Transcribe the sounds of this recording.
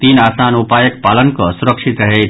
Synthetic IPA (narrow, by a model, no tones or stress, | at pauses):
t̪iːnaːsaːnʊpaːjəkpaːlənkosʊɾəkʃɪt̪ɾɐɦe